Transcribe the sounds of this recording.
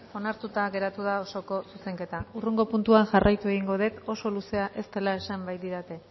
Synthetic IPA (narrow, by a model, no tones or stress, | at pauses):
o̞naɾt̪ut̪aɣe̞ɾat̪uð̞ao̞so̞ko̞suse̞ŋke̞t̪auruŋɡo̞punt̪uaŋʝarʔajt̪ue̞ɣ̞iŋɡo̞ðe̞t̪o̞so̞luse̞aʔe̞st̪e̞lae̞sambajt̪iɾat̪e̞